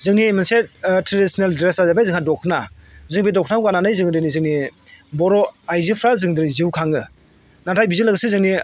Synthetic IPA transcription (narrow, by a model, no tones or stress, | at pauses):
zɯŋnimansetɾedisineldɾesazabajzɯŋhadɔkʰnazɯŋbedɔkʰnawkananɯjzɯŋdɯnizɯŋnibɔɾɔajzipʰɾazɯŋdɯɾiziwkʰaŋɯ | natʰajbizilɯɡɯsɯzɯŋni